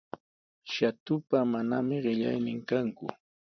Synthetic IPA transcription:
ʃat̪ʊpamanamɪɢɪʎa̰jnɪŋkaŋkʊ̰

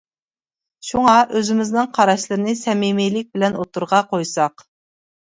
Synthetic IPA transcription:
ʃuŋɑʔøzɪmɪznɨŋqʰɑɾɑʃlˠɨɾɨnɪsɛmemejlɪk̚ʲbɪlɛnot̪ʰuɾʁɑqʰojsɑq

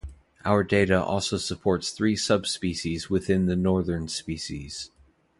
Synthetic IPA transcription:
ʔaʊə˞deɪɾəʔɔ̰lˠsoʊsəpʰɔɹtsθɹisʌb̥spiʃizwɪθɪ̃nðɨnɔɹðə̃˞nspiʃḭz̥

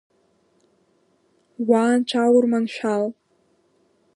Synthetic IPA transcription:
waːnʈ͡ʂʰawʊrmanʃᶣal

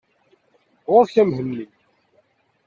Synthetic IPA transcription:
ʁʊɾçæmhəlːi

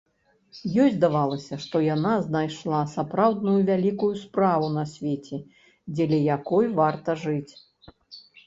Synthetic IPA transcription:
jɔzʲd̪avalˠɐsʲɐʂt̪ɔjanaznajʂlˠasapɾawd̪nujuvʲalʲikujuspɾavunɐsʲvʲet͡sʲɛ | d͡zʲɛlʲɛjakɔjvart̪ɐʐɨt͡sʲ

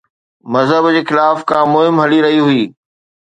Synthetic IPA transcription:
mɐzɦəbd͡ʑeːxɪlaːfkãːmʊɦɪmɦɐliɾɐɦiɦʊiː

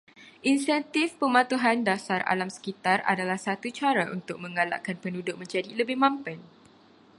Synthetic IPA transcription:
ʔinsɛnt̪ifpəmãt̪uɦandasara̰lamsə̥kit̪ara̰dalahsat̪ut͡ʃaɾaʔunt̪ʊk̚mə̃ŋala̰ʔkanpənudʊʔ̚mə̃ɲd͡ʒadiləbɪhmãmpan

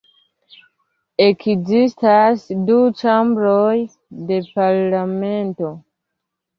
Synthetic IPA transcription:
e̞kzistasdut͡ʃambɾoj | de̞paɾlame̞nto̞

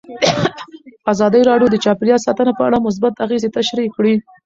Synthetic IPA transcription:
azɑd̪əjɾɑɖjod̪ət͡ʃɑpɪljɑsɑt̪ənapəa̰ɽamʊs̬bat̪aɣezet̪aʃɾikɽi

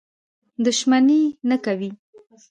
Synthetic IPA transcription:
d̪ʊʃmanenakawi

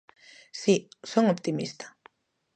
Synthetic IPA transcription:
sisoŋopt̪imist̪ḁ

